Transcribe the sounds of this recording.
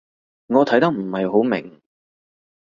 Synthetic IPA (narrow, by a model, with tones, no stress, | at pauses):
ŋɔː˨˧t̪ʰjt̪ɐ˥k̚m̩˨˩hɐ˨jɦo˨˥wmɪ̰˨˩ŋ